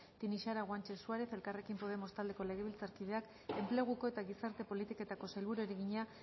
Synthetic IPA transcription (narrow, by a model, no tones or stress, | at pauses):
t̪iniʃaɾaɣwant͡ʃe̞suaɾe̞θe̞lkare̞kimpo̞ð̞e̞mo̞st̪ald̪e̞ko̞le̞ɣe̞β̞ilt͡saɾkið̞e̞ak | e̞mple̞ɣ̞uko̞e̞t̪aɣisaɾt̪e̞po̞lit̪iko̞t̪ako̞sajlβuɾueɾiɣiɲa